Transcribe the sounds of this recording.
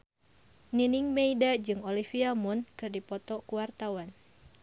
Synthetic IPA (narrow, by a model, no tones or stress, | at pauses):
niniŋmeidad͡ʒɨŋɔlifiamɔnkɨrdipɔt̪ɔkuwart̪awan